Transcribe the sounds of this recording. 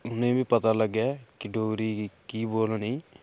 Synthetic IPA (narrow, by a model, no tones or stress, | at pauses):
ʊnẽːbiːpət̪aːləɡjaːkɪɖoːɾiːkiːboːlniː